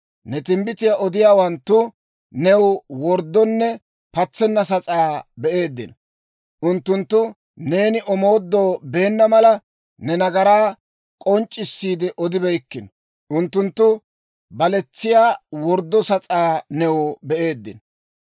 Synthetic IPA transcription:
nɛt̪ɪmbɪt̪ɪjaʔɔd̪ɪjaːwɐnt̪ːʊ | nɛwwɔɾd̪ːɔnːɛ | pɐt͡sːɛnːɐs̬ɐt͡sʼaːbɛʔeːd̪ːɪ̰n | ʔʊnt̪ːʊnt̪ːʊ | ne̞ːnɪʔɔmo̞ːd̪ːo̞ːbe̞ːnːɐmɐlɐ | nɛnɐɡɐɾaː | kʼɔnt͡ʃʼːɪsːiːd̪ɪʔɔd̪ɪbɛjkːɪn | ʔʊnt̪ːʊnt̪ːʊ | bɐlɛt͡sːɪjaːwɔɾd̪ːɔsɐt͡sʼaːnɛwbɛʔeːd̪ːɪ̰n

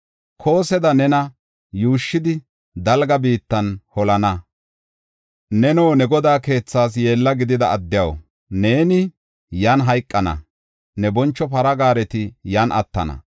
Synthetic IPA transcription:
kʰo̞ːsɛd̪ɐnɛnɐ | juːʃːɪd̪ɪ | d̪ɐlɡɐbiːt̪ːɐnhɔlɐnɐ | nɛnoːnɛɡɔd̪aːke̞ːt͡sːaːs̬je̞ːlːɐɡɪd̪ɪd̪ɐːd̪ːɪjɐw | ne̞ːnɪ | jaːnɦɐjkʼːɐnɐ̰ | nɛbɔnt͡ʃːɔpɐɾɐɡaːɾɛt̪ɪjaːnʔɐ̰t̪ːɐ̰nɐ̰

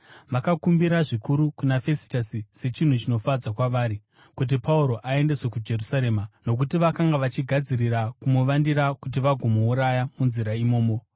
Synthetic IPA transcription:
ʋakakumbiɾaʐikuɾukunafe̞si̥tasise̞t͡ʃin̤ut͡ʃino̞fad͡zakwaʋaːɾi | kut̬ipauɾo̞ʔae̞nde̞swekud͡ʒe̞rusaɾe̞mano̞k̬utiʋakaŋɡaʋat͡ʃiɡʱad͡ziɾiɾakumuʋandiɾakut̬iʋaɡʱomouɾajamunziɾaimo̞ːmo

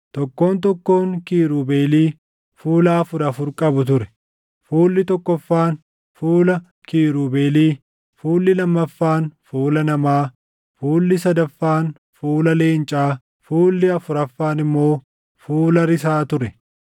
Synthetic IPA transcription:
t̪ɔkːo̞ːnt̪ɔkːo̞ːŋkiːɾuːbe̞ːliː | fuːlɐːfʊɾɐfʊɾkʼɐbʊt̪̬ʊɾɛ̥ | fuːlːɪt̪ɔkːɔfːaːn | fuːlɐ | kiːɾuːbe̞ːliː | fuːlːɪlɐmːɐfːaːnfuːlɐnɐmaː | fuːlːɪsɐd̪ɐfːaːn | fuːlɐle̞ːnt͡ʃʼaː | fuːlːɪɐfʊɾɐfːaːnɪmːo̞ː | fuːlɐɾɪsaːt̪ʊɾɛ

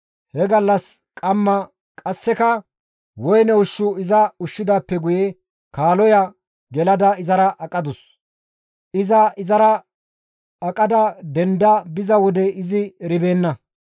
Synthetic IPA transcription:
hɛɡɐlːɐs | kʼɐmːɐ | kʼɐsːɛkɐ | wɔjnɛʊʃːʊɪzɐʊʃːɪd̪aːpːɛɡʊjɛ | kaːlɔjɐ | ɡɛlɐd̪ɐɪzɐɾɐʔɐkʼɐd̪ʊs | ʔɪzɐɪzɐɾɐː | kʼɐd̪ɐd̪ɛnd̪ɐbɪzɐwɔd̪ɛɪzɪɾɪbe̞ːnːɐ

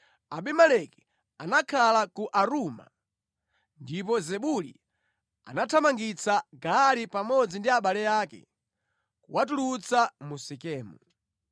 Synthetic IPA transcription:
aɓimalɛkɛ̥ | anakʰalakuʔaɾuːma̰ | ndip̬ɔzɛɓulḭ | a̰natʰamaŋɡit͡saɡaːlipamɔd͡zindiaɓalɛjaːkɛ̰ | kuwat̬ulut͡samusikɛːmu

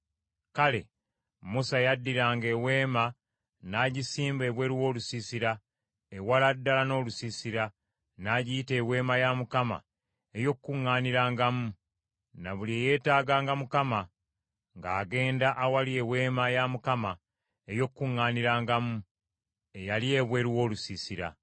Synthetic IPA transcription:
kale̞̰ | musajadːiɾaːŋɡe̞we̞ːma | naɟisiːmbeβwe̞ɾiwo̞ːlusisiɾa | ewaladːalano̞ːlusisiɾa | naɟiite̞ːwe̞ːmajamukama̰ | ejo̞kkːuŋːaːniɾaːŋɡamu | naβulieje̞ːtaːɡaːŋɡamukama | ŋɡaːɡe̞ːndaʔːwaliewe̞ːmajamukama | ejo̞kːuŋːaːniɾaːŋɡamu | e̞jalie̞βwe̞ːɾiwo̞ːlusisiɾa̰

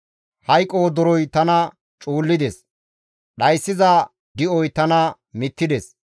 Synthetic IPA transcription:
hɐjkʼːoːd̪ɔɾɔjt̪ɐnɐ | t͡ʃʼuːlːɪd̪ɛs | ɗɐjsːɪzɐ | d̪ɪʔɔjt̪ɐnɐ | mɪt̪ːɪd̪ɛs

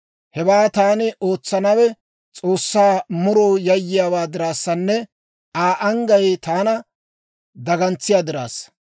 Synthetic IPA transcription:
hɛbaːt̪aːnɪʔo̞ːt͡sːɐnɐwɛ | t͡sʼo̞ːsːaːmʊɾoːjɐjːɪjaːwaːd̪ɪɾaːsːɐnːɛ | aːʔɐŋɡɐjt̪aːnɐ | d̪ɐɡɐnt͡sːɪjaːd̪ɪɾa̰ːs

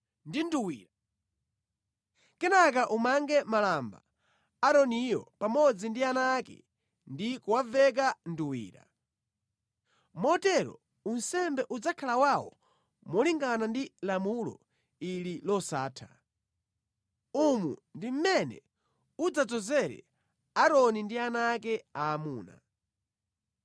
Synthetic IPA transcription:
ndinduwiːɾa | kɛnak̬aʔumaŋɡɛmalamba̰ | aɾɔnijɔ̰pamɔd͡zindianakɛ̰ | ndikuwavɛk̬anduwḭːɾa̰ | mɔtɛɾɔ̰ | unsɛmbɛʔud͡zakʰalawawɔ̰ | mɔliŋɡanandilamulɔ̰ | ililɔsaːtʰa | umṵndim̩mɛnɛ̰ | ud͡zad͡zɔzɛɾɛ̰ | aɾɔnindianak̬ɛaːmuːna̰

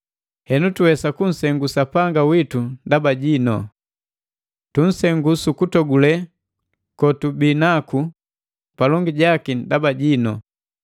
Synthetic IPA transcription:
hɛnutuwɛsakun̩sɛŋɡusapaŋɡawitundabaɟinɔ̰ | tun̩sɛŋɡusukutɔɡulɛ | kɔtubinaku | palɔŋɡiɟakindabaɟinɔ

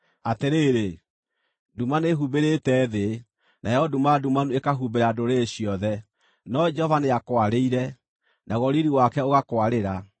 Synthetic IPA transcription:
ateɾeɾe | dumaneɦubeɾetɛðe | najɔdumadumanuekaɦubeɾadoɾeːɕiɔðɛ | nɔd͡ʒɛhɔvaneakwaɾeiɾɛ | naɣɔɾiɾiwakɛoɣakwaɾeɾa

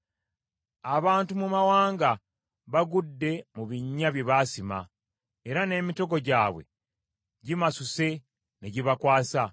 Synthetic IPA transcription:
aβaːntumumawaːŋɡa | βaɡudːe̞muβiɲːaβjeβaːsima̰ | eɾane̞ːmito̞ɡo̞ɟaːβwe̞̰ | ɟimasuse̞ | neɟiβakwaːsa

